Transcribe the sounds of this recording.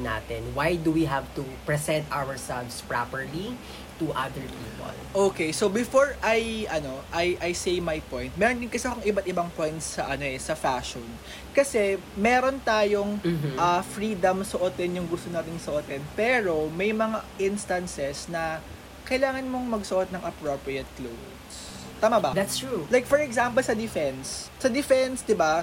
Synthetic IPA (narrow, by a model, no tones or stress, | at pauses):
na̰ːt̪ɛnwajd̪uwiɦavt̪upɹɛsɛ̃nt̪ʔawɛɹsɛlvspɹapɛɹli | t̪uʔad̪əɹpʰiːpo̰lʔoːkejsobɪfoɹʔɐjʔɐno̞ʔɐjʔɐjsejmɐjpojnt̪̚mɛːɾond̪ɪnkɐsɪɐkoŋɪbat̪̚ɪbɐŋpojnt̪ssɐʔɐno̞ʔɛsɐfaʃon | kɐsɛ | mɛːɾo̞nt̪aːjo̞ŋʔɐfɹiːd̪ɐmsoʔot̪ɛnjʊŋɡʊst̪onaːt̪ɪnsoʔot̪ɛnpɛːɾo̞mɐjmɐŋaʔɪnst̪ɐnsɛsnɐ | kɐjlaːŋɐnmo̞ŋmɐɡsoʔot̪̚nɐŋʔɐpɹopɹiɛt̪̚klo̰wds | t̪aːmɐbɐd̪at̪stɹulajk̚fɔɹɛɡsampɛlsɐd̪ɪfɛnsː | ɐd̪ɪfɛnsd̪ɪba